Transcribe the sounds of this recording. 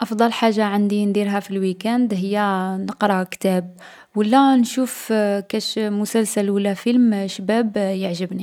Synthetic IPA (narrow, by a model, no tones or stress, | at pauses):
ʔɑfd̪ˤɑlħaʒːaʕand̪ind̪iɾɦæfilwikænd̪ɦəjːænəqɾˤɑkt̪æb | wəlːænʃufkæʃmʊsælsælwəlːæfilmʃbæbjəʕʒəbni